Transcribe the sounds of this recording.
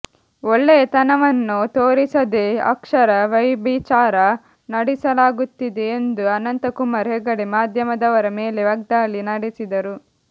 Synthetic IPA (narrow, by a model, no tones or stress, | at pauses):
oɭːet̪ɐnɐʋɐnːut̪oːɾisɐd̪eɐ̰kʂɐɾɐʋɐjbit͡ʃaːɾɐ | nɐɽisɐlaːɡut̪ːid̪e̞ːnd̪uɐnɐnt̪ɐkumaːɾɦeɡɐɽemaːd̪ʱjɐmɐd̪ɐʋɐɾɐmeːleʋɐɡ̚d̪aːlːinɐɽisid̪ɐɾu